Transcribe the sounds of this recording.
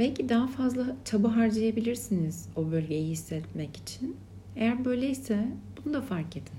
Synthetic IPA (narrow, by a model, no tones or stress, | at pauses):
bɛlʲcʰid̪aɦafazlˠat͡ʃʰabɯɦaɾd͡ʒajabilʲiɾsiniz̥o̞bø̞lʲɟejɛhisːɛt̪̚mɛci̥t͡ʃʰin | e̞jæɾbø̞jlʲejisɛbunud̪afaɾked̪in